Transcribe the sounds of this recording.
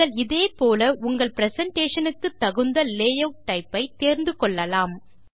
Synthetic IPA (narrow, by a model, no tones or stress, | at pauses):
ɐɭɪðeːpoːlɐʊŋɡɐɭpɾɛsɐɳʈeːʂɐnɯkːɯt̪ːɐɣɯnd̪ɐleːjɐʊʈɐɪpːɐɪt̪ːeːɾnd̪ɯkɔɭːɐlaːm